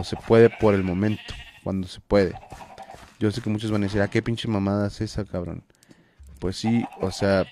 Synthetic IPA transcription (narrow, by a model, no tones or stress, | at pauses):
sepweðepoɾelmõmẽnt̪o̥kwa̰nd̪ose̥pweðḛ | ʝos̬ekemut͡ʃozβanaðesiɾakepint͡ʃemamaðasesakaβɾo̰n | pwesːiosea